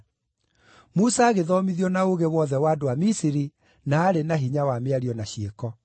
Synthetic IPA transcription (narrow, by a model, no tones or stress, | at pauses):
musaːɣeðɔmiðjɔnaoɣewɔðɛwaːdoamisiɾi | naːɾenaɦiɲawameaɾiɔnaɕiekɔ